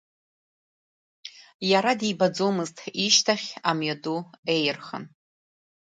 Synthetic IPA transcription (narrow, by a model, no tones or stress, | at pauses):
jaɾadibad͡zomɨztʰiʃtʰaχʲamɥjadue̞jrχə̰n